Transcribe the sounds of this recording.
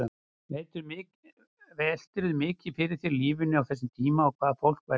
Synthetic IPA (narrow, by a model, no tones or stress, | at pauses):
vet̪ʏɾmɪː | vɛl̥t̪ɪɾʏðmɪːcɪ̥fɪɾɪɾ̥θjɛɾliːvɪnːʏawθɛsːɪmt̪ʰiːmaɔkʰvaːðafowl̥kva